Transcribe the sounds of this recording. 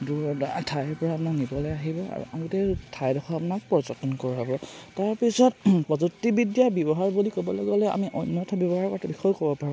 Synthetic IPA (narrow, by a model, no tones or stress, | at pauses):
duɹɔdtʰajɛɹpɔɹaːpʊnaknibɔlɔjaɦibɔa̰ɹṵʔa̰ɡutɛtʰajdɔxʰɔapunak̚pɔɹzɔtɔnkɔɹɦɔbɔtaɹpisɔt̚pɔzutːibidjabjɔbɔɦaɹbulikɔbɔlɔɡɔlɔa̰miʔɔjnjɔtʰabjɔbɔɦaɹkɔtʰabixɔjkɔbɔpaɹũm